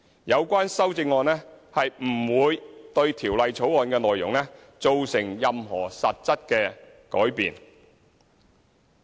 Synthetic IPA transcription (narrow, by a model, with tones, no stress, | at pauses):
jɐ˨˧wkʷaː˥nsɐ˥wt͡sɪ˧ŋɔː˨nɛː˥hɐ˨jm̩ː˨˩wuː˨˧jt̪ɵ˧ɥt̪ʰiː˨˩wlɐ˨jt͡sʰo˨˥wɔː˨nkɛː˧lɔː˨jːʊ˨˩ŋlɛ˥ | t͡so˨wsɪ˨˩ŋjɐ˨mɦɔ̰ː˨˩sɐ˨t̚t͡sɐ˥t̚kɛː˧ | kɔː˨˥jpḭː˨n